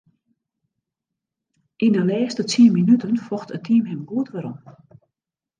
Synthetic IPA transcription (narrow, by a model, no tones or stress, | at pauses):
ʔinəlɛːstət͡siəminytənfɔxtətʰimɦɛmɡuətʋəɾɔ̰m